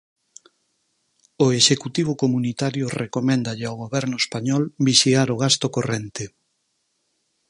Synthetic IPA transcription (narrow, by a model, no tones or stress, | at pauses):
oeʃekut̪iβ̞ʊkomunit̪aɾjʊrekomɛ̃nd̪aʎeawɣoβɛɾnʊespaɲɔlbiʃiaɾoɣ̞ast̪okorent̪e